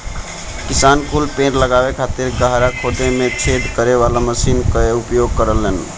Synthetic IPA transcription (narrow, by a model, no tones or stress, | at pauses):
kisankʰulpẽɾləɡaβekʰat̪iɾɡəɦɾakʰod̪emet͡ʃʰed̪ʱkəɾeʋalaməsinkəeupjoɡkəɾəlːen